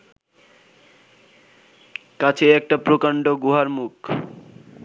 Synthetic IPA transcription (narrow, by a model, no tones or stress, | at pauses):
kat͡ɕʰeɛk̚ʈapɾokaɳɖoɡuɦaɾmuk